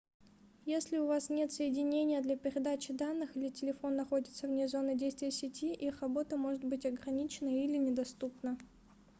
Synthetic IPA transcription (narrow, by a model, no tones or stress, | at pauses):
jesʲlʲɪʊvasnʲe̞t̪səjɪdʲɪnʲenʲɪjəd̪lʲɐpʲɪɾʲɪd̪at͡ɕɪd̪anːɨxɨlʲɪtʲɪlʲɪfo̞nːɐxo̞dʲɪt̪səvnʲezo̞nɨdʲejst̪vʲɪjəsʲɪtʲiʔixrɐbo̞t̪əmo̞ʐɨt̪̚bɨtʲɐɡɾɐnʲit͡ɕɪnəilʲɪnʲɪd̪ɐst̪upnə